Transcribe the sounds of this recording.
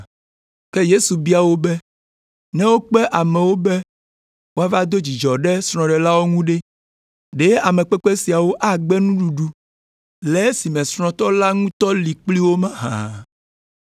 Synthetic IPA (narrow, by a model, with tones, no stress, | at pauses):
kɛ˦je˦su˨bi˦a˨wo˦bɛ˦ | nɛ̃˦wo˦k͡pɛ˦ʔa˨mɛ̃˨wo˦bɛ˦ | wo˦a˦va˦d̪o˦d͡ʑi˨d͡ʒɔ˨ɖɛ˦sɾ̃ɔ̃˨ɖɛ˨la˦wo˦ŋũ˦ɖɛ˦ | ɖe˦a˨mɛ̃˨k͡pɛ˦k͡pɛ˦si˨a˨wo˦ʔa˦ɡ͡bɛ˦nũ˦ɖu˨ɖu˦ | lɛ˨˦si˨mɛ̃˨sɾ̃ɔ̃˨t̪ɔ˦la˦ŋũ˦t̪ɔ˦li˨k͡pli˦wo˦mã˦ɦã̰˨